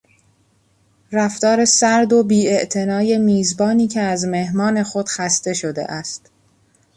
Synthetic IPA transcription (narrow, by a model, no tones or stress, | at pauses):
ræft̪ɒːɾe̞sæɾd̪o̞biːe̞ʔt̪ʰe̞nɒːje̞miːzbɒːniːcʰe̞æzme̞hmɒːne̞xo̞d̪̥xæst̪e̞ʃod̪e̞̰ʔæst̪